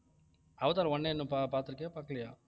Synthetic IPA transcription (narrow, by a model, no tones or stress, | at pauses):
ɐʋɐt̪aːɾɐ̃ɔɳːenːɯ̃papaːɾt̪ɯɾɯkːɪjaːpakːɐɭɐjaː